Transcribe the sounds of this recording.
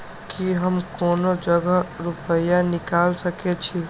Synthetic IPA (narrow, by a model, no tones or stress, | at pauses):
kiɦəmkonod͡ʒəɡəɾupəjanikalsəket͡ʃʰi